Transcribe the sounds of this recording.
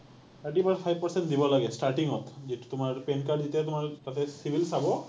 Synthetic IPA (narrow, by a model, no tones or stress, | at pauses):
taʈibatpʰajbpəɹsɛnʈd̪ibɔlaɡɛsʈaɹʈiŋɦɔt̪zitt̪ʊmaɹpenkaɹɖzit̪iat̪ʊmaɹt̪at̪ɛsibʱilsabɔ